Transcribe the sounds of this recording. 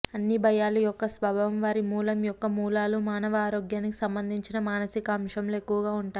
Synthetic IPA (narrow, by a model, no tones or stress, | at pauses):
ɐnːibʱɐjaːlujɔkːɐsʋɐbʱɐmʋaːɾimuːlɐmjɔkːɐmuːlaːlumaːnɐʋɐaːɾoːɡjaːnikisɐmbɐnd̪ʱiɲt͡ʃinɐmaːnɐsikɐːmʃɐmloːe̞kːuʋɐɡaːuɳʈaːj